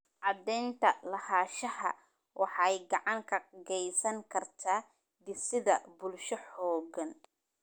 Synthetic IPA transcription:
ʔɑd̪ɛːnt̪ʰɐlɐhaːʃɐhɐ̰ | wʔɑħɑjɡɑʕɑŋkʰɐɡɛjsɐŋkʰɐrt̪ʰaː | d̪ɪsɪðɐbʊlʃɔħɔːɡɐn

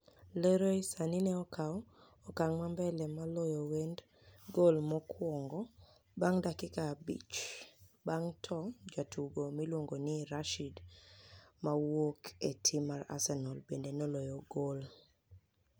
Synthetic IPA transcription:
leɾoisaninɛɔkʰaɔ | ɔkaŋmambɛlɛmalɔjɔwend | ɡolmɔkʰwɔŋɡɔ | baŋdakɪkabḭt͡ʃbaŋtʰɔd͡ʒatuɡomilwoŋɡoniɾaʃid | mawoketʰimaɾa̰sɛnɔlbendenɔlɔjɔɡol

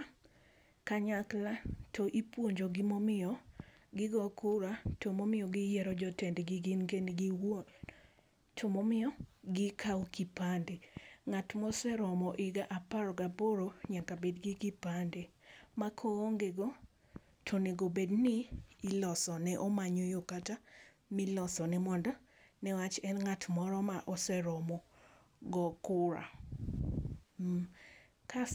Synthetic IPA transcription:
kaɲaklatʰoʔipwoɲd͡ʒoɡɪmomɪɔɡɪɡɔkʊɾatomomɪɔɡɪjɛɾɔd͡ʒɔtendeɡɪɡɪnɡenɡi | tʰɔmɔmɪɔɡɪkʰawkipandeŋatmɔsɛɾɔmɔʔɪɡaʔapaɾɔɡaboɾoɲakabedɡikipandemakʰoːŋɡeɡɔ | tʰoneɡobednɪːlɔsɔnɛʔɔmaɲɔjokata | mɪlɔsɔnɛmɔndɔ | nɛwat͡ʃɛnŋatmɔɾɔmaʔɔsɛɾɔmɔ | ɡɔkʊɾa̰ | ka

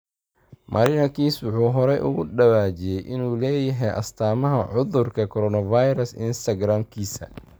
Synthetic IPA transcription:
mʔɐ̰ːɾɪnɐkʰiːswʊħuːɦɔɾɛjʔʊ̰ɣʊɖɐwaːt͡ʃɪjɛjʔɪnuːlɛːjɐɦɛjʔɐ̰st̪ʰaːmɐɦɐʕʊðʊrkʰɐkʰɔɾɔːnɐvajɾɐsɪ̰nst̪ʰɐɡɾaːmkʰiːsɐ̰

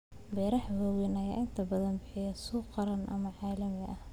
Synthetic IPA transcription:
bɛːɾɐħhɔːɣɛnɐja̰ːʔɪnt̪ʰɐbɐðɐnbɪħɪjɐsuːqɑɾɐnʔɐ̰mɐʕɑːlɐmɪʔɐh

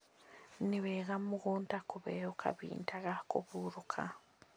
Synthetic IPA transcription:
niβeɣamuɣuːntakuβeukʰa̰βḭːntʰaɣakṵβuɾukʰa̰

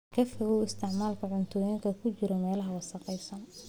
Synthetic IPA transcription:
kʰɛfɛɣuːɪst̪ʰɪʕmaːlkʰɐʕʊnt̪ʰɔːjiŋkʰɐkʰʊt͡ʃɪɾɔmɛːlɐɦɐwɑsɐqɛjsɐn

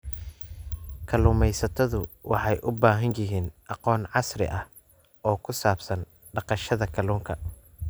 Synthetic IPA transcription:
kʰɐlʊːmɛjsɐt̪ʰɐðʊwɑ̰ħɑjʔʊbaːɦɐnjɪɦiːnʔɑqɔːnʕɑsrɪ̰ʔɐh | ʔɔːkʰʊsaːbsɐn | ɖɑqɑʃɐðɐkʰɐluːŋkʰɐ

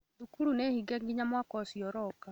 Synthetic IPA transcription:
dukuɾunehiɡɛŋɡiɲamwakɔsjɔɾɔka

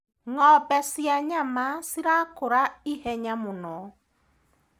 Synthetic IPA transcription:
ŋɔbɛsiaɲamasiɾakʊɾaihɛɲamʊnɔ

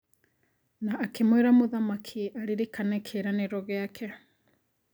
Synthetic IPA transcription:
naːkemweɾamoðamakʰiʔaɾeɾekanɛkʰeɾaneɾɔɣeakʰɛ

